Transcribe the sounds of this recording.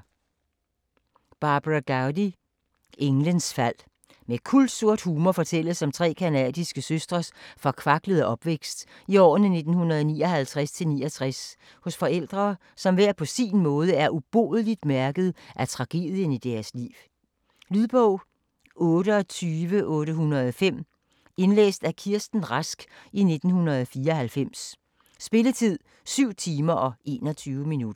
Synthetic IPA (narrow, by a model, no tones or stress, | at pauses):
b̥ɑ̈ːb̥ʁɑɡ̥ɑʊdi | e̝ŋlənsfæl̰ | mekʰuld̥so̝ɐ̰d̥huːmɐfɒ̽t͡sʰel̰əsɒ̽mt͡sʰʁɛ̰ːkʰænɛ̰ːd̥isɡ̥əsøsd̥ʁɐsfɒ̽kʰʋɑ̈ɡ̥ləð̞ˠʔɒ̽b̥ʋeɡ̥sd̥iɒ̰ːnəne̝d̥n̩hunɐð̞̩ˠɒniːɒ̽hælt͡sʰʁast͡sʰe̝lniːɐt͡sʰʁas | hɔ̽sfɒ̽el̰d̥ʁɐː | sɒ̽mʋæɐ̰pʰɒ̽siːnmɔ̽ːð̞ˠəæɐʔub̥o̝̰ːðˠəlid̥mæɐɡ̥əð̞̩ˠʔæt͡sʰʁɑ̈ɡ̥e̝̰ːð̞ˠjənid̥æɐslḭːʊ | lyðˠb̥ɔʊ̰ | ɔ̽ːɾəɒ̽t͡sʰyːʋəʔɔ̽ːɾəhunɐðˠɒfem̰ | e̝nlḛːsd̥ækʰiɐsd̥n̩ʁasɡ̥ine̝d̥n̩hunɐðˠɒfiːɐɒ̽hælfem̰sː | b̥e̝lət͡sʰið̰ˠ | syʊ̰t͡sʰiːmɐʔɒ̽e̝̰ːnɒ̽t͡sʰyːʊəminud̥ɐ